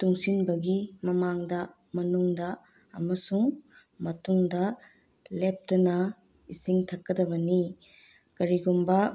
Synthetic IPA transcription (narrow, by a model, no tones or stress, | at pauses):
tuŋsinbɐɡimɐmaŋdɐ | mɐnuŋdɐ | ɐmɐsuŋ | mɐtuŋdɐ | lep̚tɐnɐ | isiŋtʰɐkːɐdɐbɐni | kɐɾiɡumbɐ